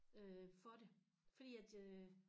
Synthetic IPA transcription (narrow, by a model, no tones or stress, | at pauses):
øfɒ̽ɾe | fɒd̥ḭːæd̥